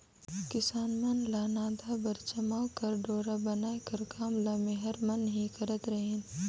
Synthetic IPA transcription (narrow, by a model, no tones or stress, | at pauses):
kɪsaːnmɐnlaːnaːd̪ʱabɐɾt͡ʃɐmaːwkɐɾɖoːɾabɐnaːekɐɾkaːmlamẽɦɐɾmɐnɦĩkɐɾət̪ɾɐɦeːn